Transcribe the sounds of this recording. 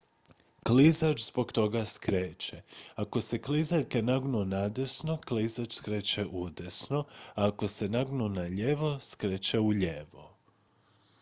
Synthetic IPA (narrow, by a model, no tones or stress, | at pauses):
klizat͡ʃzbo̞ɡt̪o̞ɡaskɾeːt͡ʃeako̞se̞klizalkenaɡnunad̪esno̞klizat͡ʃskɾeːt͡ʃeʔud̪esno̞aːko̞se̞naɡnunaʎeʋo̞skɾeːt͡ʃeuʎeʋo̰